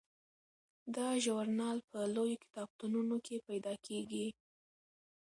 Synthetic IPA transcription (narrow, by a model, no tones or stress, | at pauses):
d̪ɑʒawaɾnɑlpʰəlojokɪ̥t̪ɑb̚t̪ununokʰepajd̪ɑkʰeɡi